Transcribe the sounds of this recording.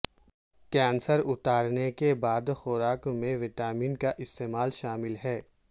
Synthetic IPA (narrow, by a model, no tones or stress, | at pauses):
kɛ̃ːnsəɾʊt̪aːɾnekebaːd̪xʊɾaːkmẽʋɪʈaːmiːnkaʔɪst̪eːmaːlʃaːmɪlɦɛː